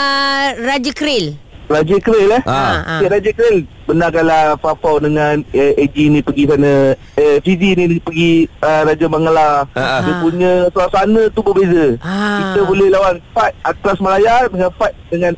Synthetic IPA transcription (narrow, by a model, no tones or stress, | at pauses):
ɾad͡ʒəkɾɪl | rad͡ʒəkɾelahteʔɾad͡ʒəkəɾɪl | bənakalahfafawdəŋaned͡ʒinipəɡis̬ana | fizinipəɡiəɾad͡ʒabaŋlajəpuɲə̃salasanə̃t̪ubəbezəit̪əbolɛhlawanfat̪̚at̪ɾasməlajadəŋãnfat̪̚dəŋãn